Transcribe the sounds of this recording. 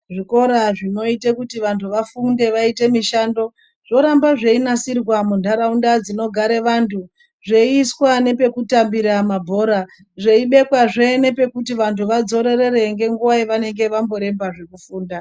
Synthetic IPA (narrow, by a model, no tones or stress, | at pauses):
ʐiko̞ɾaʐino̞itekutiʋantʰuʋafunde̞ʋaite̞miʃaːndo̞ | ʐ̥o̞ɾambaʐe̞inasirwamundaɾaundad͡zino̞ɡʱaɾe̞ʋantʰu | ʐe̞iːswane̞pe̞kutambiɾamabʱo̞ːɾa | ʐe̞iɓe̞kwaʐene̞pe̞kutiʋantʰuʋad͡zo̞ɾe̞ɾe̞ɾe̞ŋɡe̞ŋɡuʋaiʋane̞ŋɡe̞ʋambo̞ɾe̞mbaʐe̞kufuːnda